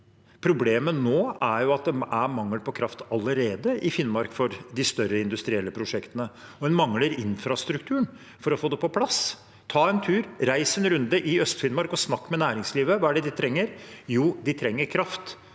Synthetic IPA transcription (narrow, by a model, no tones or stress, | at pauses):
pʰɾʊbleːmənoːæɾjʊɑt̪̚d̪ɛæɾmɑŋːəlpʰɔkʰɾɑft̪ɑlːəɾeːd̪əʔɪfɪnmɑɾkfɔɾd̪ɪst̪œɾəɪnd̪ʉst̪ɾɪɛlːəpʰɾʊʂɛkt̪ənəɔd̪ɛnmɑŋləɾɪnfɾɑst̪ɾʉkt̪ʰʉːəɳ | fɔɾɔfoːd̪ɛpɔpʰlɑs | t̪ʰɑːɛnt̪ʰʉːɾɾæɪsɛnɾʉnd̪əʔɪœst̪fɪnmɑɾkɔsnɑkːmɛnæːɾɪŋsliːʋəʋɑːæɖɛd̪ɪt̪ʰɾɛŋːəɾjuːd̪ɪt̪ʰɾɛŋːəɾkʰɾɑft̪